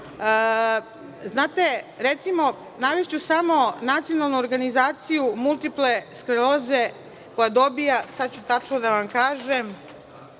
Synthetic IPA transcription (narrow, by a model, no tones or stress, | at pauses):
ə | znaːt̪e̞ɾet̪simo̞ | naʋeʃt͡ɕusamo̞nat̪sijo̞nalˠnuoɾɡanizaːt̪sijumulˠt̪iple̞skɾeloze̞ | ko̞jad̪o̞bijasad̪t͡ɕut̪at͡ʃnod̪aʋamkaːʒem